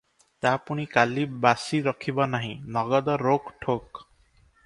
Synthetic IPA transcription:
t̪apuɽ̃ikalibbasiɾɔkʰibɔnaɦĩnɔɡɔd̪ɔɾokʈʰok

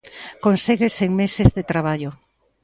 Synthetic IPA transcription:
konseɣeseŋmesezðet̪ɾaβ̞aʎo

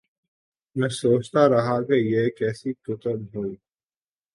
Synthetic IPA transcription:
nɐsoːt͡ʃt̪aɾɐɦakejekɛːsikʊt̪əbɦoːiː

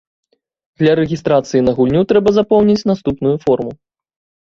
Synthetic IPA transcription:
d̪lʲɐɾɛɣʲist̪ɾat̪sɨjinɐɣulʲnʲut̪ɾɛbɐzapɔwnʲit͡sʲnast̪upnujufɔrmu

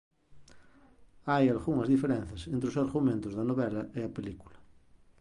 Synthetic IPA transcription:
ajalɣuŋɐzðifeɾẽn̟θɐsent̪ɾɪosaɾɣumẽnt̪ʊzðɐnoβɛlɐʔeɐpeliku̥lɐ

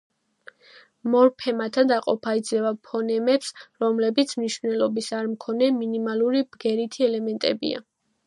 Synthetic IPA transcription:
mɔɾpʰɛmat̪ʰad̪aqʼɔ̰pʰaid̪zlɛvapʰɔnɛmɛpsɾɔmlɛbit̪sʰmniʃvnɛlˠɔbisaɾmkʰɔnɛminimalˠuɾibɡɛɾit̪ʰiɛlɛmɛnt̪ʼɛ̰bḭa̰

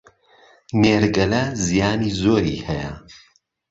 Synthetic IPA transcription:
neːɾɡɐlɐzijaːniːzoːɾḭːhɛjɐ̰

